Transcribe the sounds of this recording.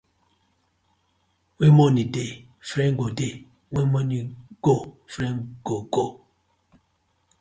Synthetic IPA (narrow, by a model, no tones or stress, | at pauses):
wemɔnide | fɾɛŋɡode | wemɔniɡ̥o | fɾɛŋɡ̥oɡo